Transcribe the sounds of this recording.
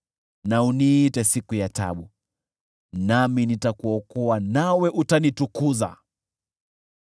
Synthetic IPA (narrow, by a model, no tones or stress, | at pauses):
nauniːtɛsikujata̰ɓu | naminitakuɔkɔanawɛʔutanitukuza̰